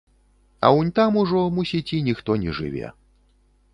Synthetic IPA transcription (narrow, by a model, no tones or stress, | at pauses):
ɐ̰wnʲt̪amuʐɔmusʲit͡sʲinʲixt̪ɔnʲɛʐɨ̰vʲɛ̰